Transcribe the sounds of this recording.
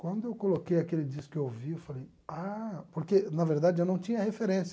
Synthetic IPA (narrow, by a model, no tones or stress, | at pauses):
kwɐ̃nd̪ʊewkolokejakelɪd͡ʒisʊ̥kɪewowviewfalej | apoɾkenɐveɾd̪ad͡ʒɪʒanɐ̃w̃t͡ʃĩɲɐhefeɾẽsɐ